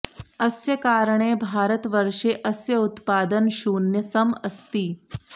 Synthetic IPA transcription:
ɐsjɐkaːɾɳeːbʱaːɾət̪ʋɐɾʂeːʔɐsjɐut̪paːd̪ənʃuːnjɐsɐmɐst̪iː

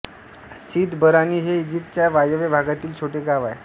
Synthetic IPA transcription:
siːd̪bəɾaniːɦeid͡ʑip̚ʈ̚t͡ɕjaʋajəʋebʱaɡat̪iːlt͡ɕʰoʈeɡaʋae

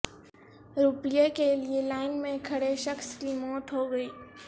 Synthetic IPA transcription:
ɾupɪjekelielaːɪnmẽkʰɐɽeʃɐxskimɔːt̪ɦoɡəiː

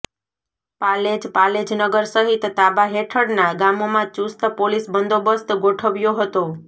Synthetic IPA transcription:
paled͡ʒpaled͡ʒnəɡəɾsəɦit̪ːabaɦeʈʰəɽnaɡamomãt͡ʃust̪polisbənd̪ʱobəst̪ɡoʈʰəʋjoɦət̪o

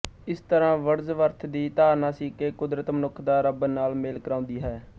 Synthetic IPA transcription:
ɪst̪əɾãːʋəɾzʋəɾt̪ʰd̪iːt̪aːɾnaːsiːkeːkʊd̪ɾət̪mənʊkʰd̪aːɾəbnaːlmeːlkəɾãːʊ̃nd̪iːɦɛː

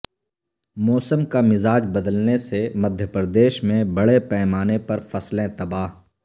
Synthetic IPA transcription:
mɔːsəmkamɪzaːd͡ʒbɐd̪əlnesemɐd̪ʱjəpɾəd̪eːʃmẽbɐɽepɛːmaːnepɐɾfɐslẽt̪ɐbaːɦ

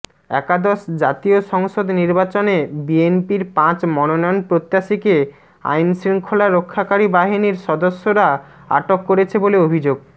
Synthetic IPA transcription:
ɛkad̪ɔʃd͡ʑat̪ioʃɔŋʃod̪niɾbat͡ɕonebienpiɾpãt͡ɕmɔnonɔonpɾot̪ːaʃike | a̰jnsɾiŋkʰolaɾokʰːakaɾibaɦiniɾʃɔd̪oʃːoɾa | a̰ʈokːoɾet͡ɕʰeboleobʱid͡ʑoɡ̚

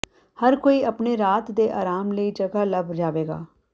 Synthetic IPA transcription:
həɾkoːiːəpɳeːɾaːt̪d̪eːʔaːɾaːmləiːd͡ʒəɡaːləbʱd͡ʒaːʋeːɡa̰ː

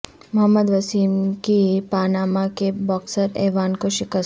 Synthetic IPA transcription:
mɐɦəmːəd̪ʋəsiːmkipaːnaːmakebɔːksəɾɛːʋaːnkoʃɪkəs

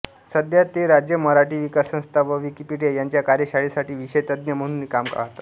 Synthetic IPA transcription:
səd̪jat̪ːeɾad͡ʑjəməɾaʈiːʋikasːə̃st̪ʰaʋəʋikipiɖjejaɲt͡ɕjakaɾjəɕaɭisaʈiːʋiɕəjt̪əd̪njəm̤əɽ̃unːikamkə̰ɭa̰ɦot̪ḁ

